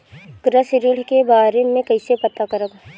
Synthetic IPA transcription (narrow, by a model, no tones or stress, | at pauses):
ɡ̥ɾəsɾɪɽ̤kebaːɾemẽkɐɪsepɐt̪akɐɾəɡ